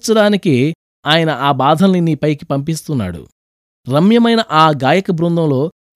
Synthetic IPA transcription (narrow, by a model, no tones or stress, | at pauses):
t͡ʃɐɽaːnike | aːjɐnɐʔaːbaːd̪ʱɐnːiniːpɐjki̥pɐmpist̪unːa̰ːɽṵ | ɾɐmjɐmɐjnɐʔaːɡaːjɐkɐbɾund̪ɐmlo̞ː